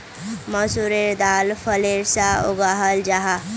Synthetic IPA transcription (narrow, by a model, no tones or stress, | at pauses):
mʌsuɾeɾd̪alpʰʌleɾsaoɡaɦʌld͡ʒaɦa